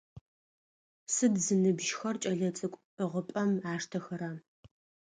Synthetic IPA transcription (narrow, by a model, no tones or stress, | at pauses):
sɨdzɨnɨbʒxɐrt͡ʃʼɐɮɐt͡sʼɨkʷʼ | əʁəpʼɐmaːʂtʰɐxɐɾaː